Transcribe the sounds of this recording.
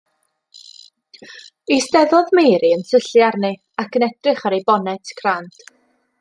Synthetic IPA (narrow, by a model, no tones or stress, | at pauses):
istɛðɔðmeːɾiənsəɬjarnɨ | akənɛd̥rɪχaɾejbɔnɛtʰkʰrant